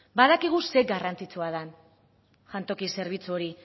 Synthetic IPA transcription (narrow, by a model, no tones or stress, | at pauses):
baðakiɣ̞use̞ɡarant͡sit͡suaðan | ʝant̪o̞kise̞ɾβ̞it͡suoɾi